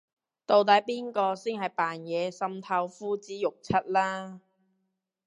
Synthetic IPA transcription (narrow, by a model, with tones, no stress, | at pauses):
t̪o˨˧wt̪ɐ˨˥jpiː˥nkɔː˧si˥ŋhɐ˨˩jpaː˨njɛː˨˧sɐ˧mt̪ʰɐ˧wfuː˥t͡siː˨˥jʊ˨k̚t͡sʰɐ˥t̚laː˥